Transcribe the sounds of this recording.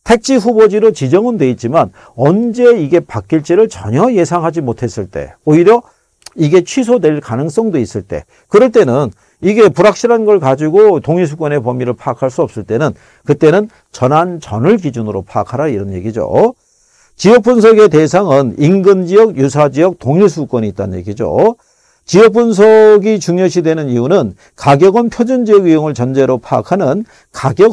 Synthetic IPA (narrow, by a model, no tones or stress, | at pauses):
tʰe̞k̚t͡ɕ͈ʰiɸubod͡ʑiɾot͡ɕid͡ʑʌŋɯndwe̞it̚t͡ɕ͈iman | ʌnd͡ʑe̞iɡe̞pak͈̚iɭt͡ɕ͈iɾɯɭt͡ɕʌɲʌje̞sʰaŋɦad͡ʑimotʰe̞s͈ɯɭt͈e̞̰oiɾjʌ | iɡe̞t͡ɕʰɥisʰodwe̞ɭkanɯŋs͈ʌŋdois͈ɯɭt͈e̞̰ | kɯɾʌɭt͈e̞nɯn | iɡe̞puɾak̚ɕ͈ʰiɾanɡʌɭkad͡ʑiɡot̪oŋis̬ʰuk͈ʌne̞pʌmiɾɯɭpʰaːkʰaɭs͈uʌp̚s͈ɯɭt͈e̞nɯn | kɯt͈e̞nɯn | t͡ɕʌnant͡ɕʌ̰nɯɭɡid͡ʑunɯɾopʰaːkʰaɾaiɾʌnje̞̰ɡid͡ʑo̰ | t͡ɕijʌk̚p͈uns̬ʰʌɡe̞te̞sʰaŋɯninɡɯnd͡ʑijʌɡjusʰad͡ʑijʌk̚toŋisʰuk͈ʌniiːt͈anɯɲje̞̰ɡid͡ʑo̰ | t͡ɕiʌk̚p͈unsʰʌɡit͡ɕuŋjʌɕʰidwe̞nɯniunɯn | kaɡjʌɡʌnpʰjod͡ʑund͡ʑijʌɡijoŋɯɭt͡ɕʌnd͡ʑe̞ɾopʰaakʰanɯn | kaɡjʌ